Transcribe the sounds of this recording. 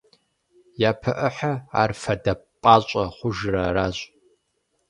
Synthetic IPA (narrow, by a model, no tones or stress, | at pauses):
jaːpʰɐʔəħaa̰ːrfɐdɐpʼaːɕʷʼɐχʷʊʒrɐraːɕʷʼ